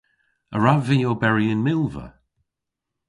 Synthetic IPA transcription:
əɹavijoːbɛɹiɪnmɪlˠvə̰

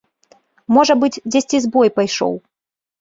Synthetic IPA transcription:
mɔʐɐbɨd͡zʲd͡zʲɛsʲt͡sʲizbɔjpajʂɔ̰w

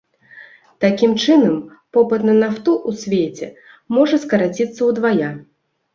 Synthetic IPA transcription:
t̪akʲimt͡ʂɨnɐm | pɔpɐt̪nɐnaft̪uʔusʲvʲet͡sʲɛ̰ | mɔʐɐskɐɾat͡sʲit̪sːɐwd̪vaja

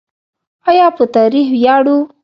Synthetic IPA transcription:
ajɑpət̪ɑɾixwjɑɽu

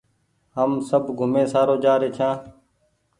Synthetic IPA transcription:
ɦəmsəbʱɡʱʊmẽːsaːɾoːd͡ʒaːɾeːt͡ʃʰãː

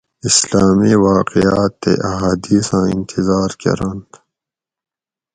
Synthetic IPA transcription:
islaːmiːwaːqijaːt̪ːḛʔaɦaːd̪iːsãːḭnt̪ʰizaːɾkɐ̰ɾant̪

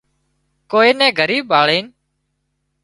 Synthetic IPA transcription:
koːiːnɛ̃ːɡʱəɾiːbʱaːɭeːn

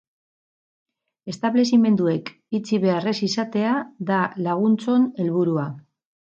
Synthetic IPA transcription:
e̞st̪aβle̞sime̞nd̪ue̞k | it͡siβe̞are̞sisat̪e̞aðalaɣ̞unt͡so̞ne̞lβuɾua

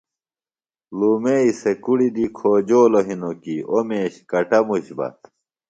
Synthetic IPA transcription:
luːmeisekuɽid̪ikʰoːd͡ʑoːloɦinokiomeːɕkɐʈɐmuɕbɐ̰t̪

